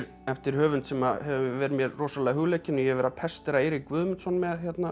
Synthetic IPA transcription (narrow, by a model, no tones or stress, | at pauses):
ɾ | ɛft̪ɪɾ̥hœːvʏnt̪sɛmahɛvʏmvɪvɛːɾmjɛɾroːsalaːɦʏɣlɛcɪnːʏjɛhɛvɛɾapʰɛst̪ɛɾaeɾɪkvʏðmʏnt̪sɔnmɛðçɛt̪na